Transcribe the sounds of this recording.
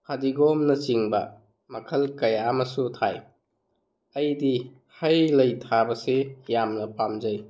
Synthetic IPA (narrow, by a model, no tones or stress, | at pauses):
kʰadiɡɔmnɐt͡ʃiŋbɐ | mɐkʰɐlkɐjamɐsutʰaj | ɐjdi | hajlɐjtʰabɐsejamnɐpamzɐj